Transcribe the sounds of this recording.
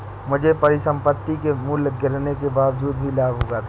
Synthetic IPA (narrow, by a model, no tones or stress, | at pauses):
mʊd͡ʒʱepɐɾɪsə̃mpət̪ːikemulɡɪɾnekebaːʋd͡ʒuːd̪̚bʱilaːbɦoːɡat̪ʰ